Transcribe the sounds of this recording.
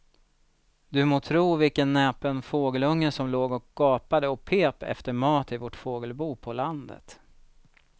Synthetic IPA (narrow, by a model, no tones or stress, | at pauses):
d̪ɵmoːt̪ʰɾuːvɪlkənːɛːpənfoːɡəlɵŋːəsɔmloːɡɔkɡ̥ɑːpad̪əɔpʰeːpɛ̰ft̪əɾmɑːt̪ɪvɔʈfoːɡəlbuːpʰɔland̪ə̰t̪